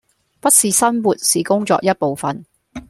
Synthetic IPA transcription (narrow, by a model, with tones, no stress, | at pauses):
pɐ˥t̚siː˨sɐ˥nwuː˨t̚siː˨kʊ˥ŋt͡sɔ̰ː˧k̚jɐ˥t̚po˨wfɐ˨˩n